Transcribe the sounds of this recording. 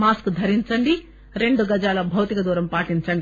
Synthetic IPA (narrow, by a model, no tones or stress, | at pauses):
maːskd̪ʱɐɾiɲt͡ʃɐɳɖi | ɾe̞ɳɖuɡɐd͡ʒaːlɐbʱɐwt̪ikɐd̪uːɾɐmpaːʈint͡ʃɐɳɖi